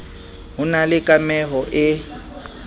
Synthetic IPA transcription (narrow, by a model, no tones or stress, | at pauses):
ɦʊnalɪkʼamɛɦɔʔɪ